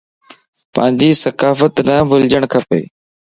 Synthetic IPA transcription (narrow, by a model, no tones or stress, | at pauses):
pə̰̃ːɪ̃ɲd͡ʑiːsəkaːfət̪nəbʱʊld͡ʒəɽ̃kʰəpḛː